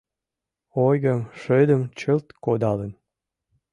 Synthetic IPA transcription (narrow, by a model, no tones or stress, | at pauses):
ojɣəmʃød̪əmt͡ɕəlt̪kod̪ɑlən